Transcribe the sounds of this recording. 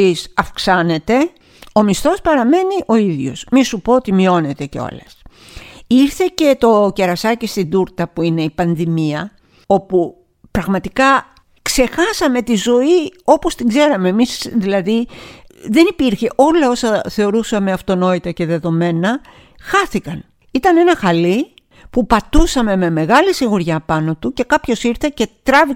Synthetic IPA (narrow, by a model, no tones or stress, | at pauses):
isɐfksɐne̞t̪e̞ | o̞mist̪o̞spɐɾɐme̞niʔo̞iðʝo̞̰smisupo̞ot̪imio̞ne̞t̪e̞ceo̰lɐs | iɾθe̞ce̞t̪o̞ce̞ɾɐsɐcist̪ind̪uɾt̪ɐpuine̞ipɐnðimiɐ | o̞pu | pɾɐɣmɐt̪ikɐ | kse̞xɐsɐme̞t̪izo̞io̞po̞st̪iɡze̞ɾɐme̞ːmisðilɐði | ðe̞nipiɾçe̞ʔo̞lɐo̞sɐθe̞o̞ɾusɐme̞ɐft̪o̞no̞it̪ɐce̞ðe̞ðo̞me̞nɐ | xɐθikɐn | it̪ɐne̞nɐxɐli | pupɐt̪usɐme̞me̞me̞ɣɐlisiɣuɾʝɐpɐno̞t̪uce̞kɐpço̞siɾθe̞ce̞t̪ɾɐvi